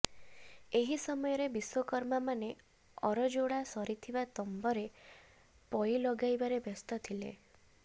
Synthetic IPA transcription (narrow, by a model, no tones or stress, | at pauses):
eɦisɔmɔjɔɾebiswɔkɔɾmamane | ɔɾɔd͡ʒoɽasɔɾit̪ʰibat̪ɔmbɔɾe | pɔilɔɡajbaɾebɔst̪ɔt̪ʰilḛ